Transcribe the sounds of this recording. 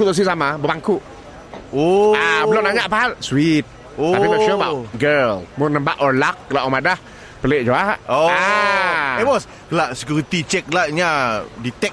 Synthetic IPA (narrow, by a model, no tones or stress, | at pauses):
kut̪ɔs̬isamabəbaŋkuʔ | oaəlɔnaɲaʔpaɦalswit̪̚ | oaiɔʃobaʔɡəlmɔnəmbaʔɔlak̚ːəlaʔɔmadah | pəleʔ̚d͡ʒuaʔoa | ɛwɔs | kəlaʔsə̥kjuɾit̪it͡ʃɛk̚laʔɲadit̪ɛk̚